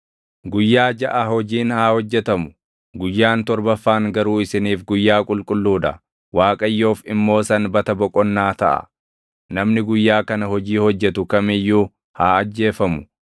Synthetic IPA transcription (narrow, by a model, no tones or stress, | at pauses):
ɡʊjːaːd͡ʒɐʔɐhɔd͡ʒiːnhaːhɔd͡ʒːɛt̪ɐmʊ | ɡʊjːaːnt̪ɔɾbɐfːaːŋɡɐɾuːɪsɪniːfɡʊjːaːkʼʊlkʼʊlːuːd̪ɐ̰ | waːkʼɐjːo̞ːfɪmːo̞ːsɐnbɐt̪ɐbɔkʼɔnːaːt̪ɐʔɐ̰ | nɐmnɪɡʊjːaːkɐnɐhɔd͡ʒiːhɔd͡ʒːɛt̪ʊkɐmɪjːuː | haːɐd͡ʒːe̞ːfɐmʊ